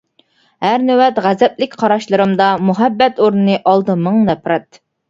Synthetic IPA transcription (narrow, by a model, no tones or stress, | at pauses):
hæɾnywɛt̪ʁæzɛplɪkʲqʰɑɾɑʃlˠɨɾɨmd̪ɑmuɦɛbːɛt̪oɾnɨnɨʔɑlˠd̪ɨmɨŋnɛpʰɾɛt̪̚